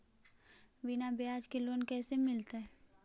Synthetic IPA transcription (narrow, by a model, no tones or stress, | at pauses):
bɪnabejaːd͡ʒkeloːnkɛːsemɪlt̪ɛ